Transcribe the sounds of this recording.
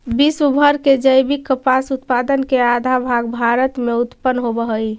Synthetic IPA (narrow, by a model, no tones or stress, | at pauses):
biswəbʱəɾked͡ʒəjbikːəpasut̪pad̪ənkead̪ʱabʱaɡbʱaɾət̪meut̪pənɦobəɦəj